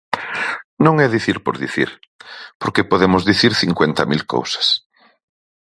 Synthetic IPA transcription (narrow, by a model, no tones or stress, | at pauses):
nõŋɛðiθiɾpo̰ɾðiθḭɾ | poɾkepoðemʊzðiθiɾθiŋkwent̪ɐmilko̰wsɐ̥s